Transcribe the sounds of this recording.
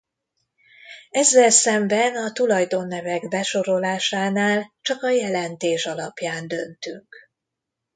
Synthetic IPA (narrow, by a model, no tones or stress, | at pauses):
ɛzːɛlsɛmbɛnɒt̪ulɒjd̪onːɛvɛɡbɛʃo̞ɾo̞laːʃaːnaːlt͡ʃɒkɒjɛlɛnt̪eːʃɒlɒpjaːnd̪ø̞nt̪yŋk